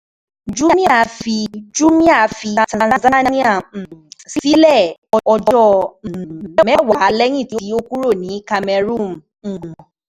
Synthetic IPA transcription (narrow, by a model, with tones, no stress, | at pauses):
d͡ʒu˦mĩ˦a˦a˦˨˦fi˧d͡ʒu˦mĩ˦a˦˨˧fi˧a˧tã˨a˧˨a˦˧za˦a˦na˦nĩ˦a˦˨si˦i˦lɛ˦˨ɔ˧ɔ˧d͡ʒɔɔ˦˨ | ɛ˦mɛ˦wa˨˦lɛ˦j̃ĩ˦˨ti˦i˨˦o˧ku˦ɾo˦˨nĩ˨˦ka˧mɛ˧ɾũ˦˨m˨ | ũ˨ɔ̃˨